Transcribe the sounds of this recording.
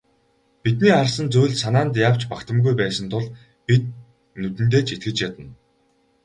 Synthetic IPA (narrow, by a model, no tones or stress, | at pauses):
pit̪niːχarsə̆nt͡sujɮsanaːnt̪jaːw̥t͡ɕpakt̪ə̆mɡujpæːsə̆nt̪ʰʊɮ | pit̪̚ | nɵt̪ɘ̆nt̪̬eːt͡ɕʰit̪ɡɘ̆t͡ɕjat̪ə̆n